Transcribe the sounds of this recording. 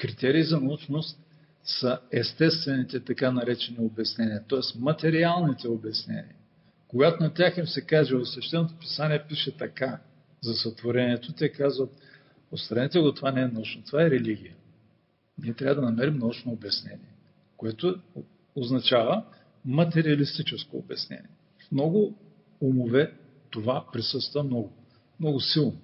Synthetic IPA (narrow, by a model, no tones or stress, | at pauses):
kɾit̪ɛɾiːzɐnɐut͡ʃnost̪ | sɐɛst̪ɛst̪vɛnit̪ɛt̪ɐkanɐɾɛt͡ʃɛniobɛsnɛniɐt̪ɔɛsmɐt̪ɛɾialˠnit̪ɛobɛsnɛ̰nḭɐ | koɡat̪onɐt̪ʲaximsɛkaʒɛot̪svɛʃt̪ɛnot̪opi̥saniɛpiʃɛt̪ɐka | zɐsət̪voɾɛniɛt̪ot̪ʲɛkazvət̪ | ot̪st̪ɾɐnɛt̪ɛɡot̪ovanɛɛnɐut͡ʃnot̪ovaɛɾɛliɡ̟ʲijə | niɛt̪ɾʲavəd̪ɐnɐmɛɾimnɐut͡ʃnoːbjɐsnɛ̰niɛ | koɛt̪o | oznɐt͡ʃavə | mɐt̪ɛɾiɐlist̪it͡ʃɛsko̰ːbɐsnɛ̰nḭɛ | fmnɔɡʊ | umovɛ | t̪ovapɾisɤst̪vɐmnɔɡʊ | mnɔɡʊsilˠno